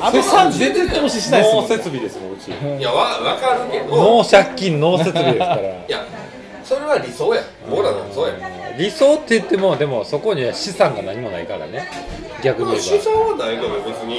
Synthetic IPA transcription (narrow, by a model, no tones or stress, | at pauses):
amãzenek̪omoɕiɕinaose̞t͡sɨbʲid̪e̞sɨmõɯt͡ɕḭjaβaβakaɾɯked̪onoːɕakʲːĩnno̞ːse̞t͡sɨbʲiid̪esɨkaɾaja | soɾe̞βaɾʲisoːja | boɾanoɾisoːjaɾʲiso̞ːt̪ːe̞ɯt̪ːe̞mo̞d̪e̞mo̞so̞ko̞ɲ̟iaɕisãŋɡanaɲ̟imo̞na̰ikaɾa̰ne | ɡʲakɯ̟ɲioɕisoːβanait̪omebet͡sɨɲi